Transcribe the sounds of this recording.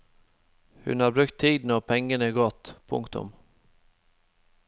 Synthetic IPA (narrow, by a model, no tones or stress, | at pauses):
hɵ̰nhɑɾbɾʉkt̪ʰːiːd̪nɔpʰɛŋːənəɡɔt̪ːpʰɵ̰ŋkt̪ʊ̰m